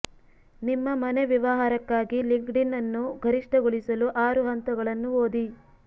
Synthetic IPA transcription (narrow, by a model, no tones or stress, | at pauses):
nimːɐmɐneʋiʋɐɦaːɾɐkːaːɡiliŋɡɖinːɐnːuɡʱɐɾiʂʈɐɡuɭisɐluʔaːɾuɦɐnt̪ɐɡɐɭɐnːuoːd̪i